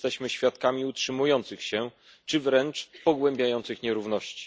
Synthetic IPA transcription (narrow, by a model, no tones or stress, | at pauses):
t̪ɛɕmɘɕfʲjat̪kamʲiutʂɘmujɔnt̪sɘxɕɛ | t͡ʂɘvɾɛnt͡ʂpɔɡwɛmbʲjajɔnt̪sɘxɲɛɾuvnɔɕt͡ɕi̥